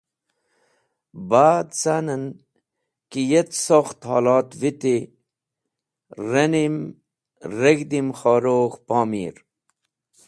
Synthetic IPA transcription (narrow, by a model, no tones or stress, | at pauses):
baːd̪t͡sanən | kijet̪soxt̪hɑ̰ːlɑːt̪ʋit̪i | ɾɐnim | ɾeɡd̪imxoːɾoːxpɑːmḭːɾ